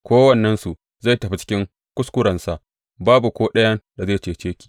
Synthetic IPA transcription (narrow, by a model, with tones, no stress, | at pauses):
kʷoː˦wɐ˦˨nːɐ˦nsu˨ | za˦˨jtɐ˨ɸi˦t͡ʃɪ̥˦kʲɪ˦ŋ | kʷʊ˦skʷʊ˦ɾɐ˨nsa˨ʔ | baː˦bu˨kʷoː˦ɗɐ˦jɐ˦nda˨zeː˦˨t͡ʃeː˨t͡ʃeː˦kʲi̥ː˨